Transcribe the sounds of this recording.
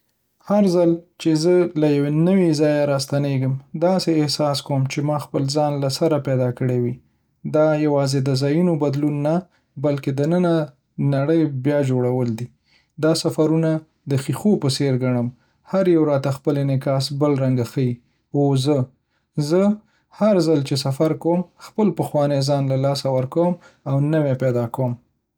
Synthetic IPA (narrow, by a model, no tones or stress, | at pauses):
haɾzalt͡ʃezəlajawenəwizɑjaɾɑst̪aneɡəmd̪ɑseɪhsɑskawəmt͡ʃemɑxpəlzɑnlasaɾapɛd̪ɑkəɽewi | d̪ɑjawɑzed̪əzɑjinobad̪lunːa | balked̪ənəna | naɽəjbjɑd͡ʒoɽawəld̪i | d̪ɑsafaɾuna | d̪əxixopəseɾɡaɳəm | haɾjawɾɑt̪axpəlenɪkɑsbəlɾaŋɡaxəji | ozə | zə | haɾzalt͡ʃesafaɾkwomxpəlpəxwɑnezɑnlalɑsawəɾkawəm | awnəwepɛd̪ɑkawəm